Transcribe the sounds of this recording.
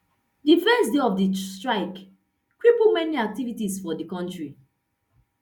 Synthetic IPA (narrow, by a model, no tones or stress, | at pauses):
difɛsdeɔfdistɹaɪk | kɹipumɛniak̚tivitisfɔdikɔ̃ntɹi